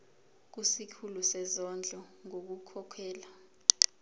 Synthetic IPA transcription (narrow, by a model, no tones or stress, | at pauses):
k̬usikʰulusɛzɔnd͡ɮʱɔŋok̬ukʰɔkʰɛːla